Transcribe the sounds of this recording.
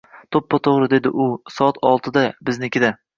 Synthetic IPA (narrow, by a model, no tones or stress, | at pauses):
t̪ʰopːɒt̪ʰoʁɾɪd̪e̞d̪ɪʔʊsɒɒt̪ʰɒlˠt̪ʰɪd̪abɪznɪkʲɪd̪a